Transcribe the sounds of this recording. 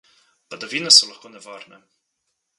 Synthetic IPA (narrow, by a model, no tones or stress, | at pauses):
pad̪ɔʋiːnɛsɔlaxkoːnɛʋaːɾnɛ